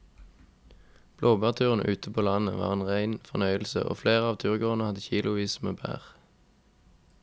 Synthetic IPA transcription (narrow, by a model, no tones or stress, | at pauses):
b̥loːbɑːʁt̪ʰʉːʁən̩əʔʉːt̪əpʰoːlɑnəʋɑ̰ːʁeːnʁæɪnfɔʁnœʏəlsə̰ʔo̰ːfleːʁəɑːʋt̪ʰʉːʁɡoːʁnəhɑd̪əçiːlʊʋiːsmḛːbʰæ̰ːʁ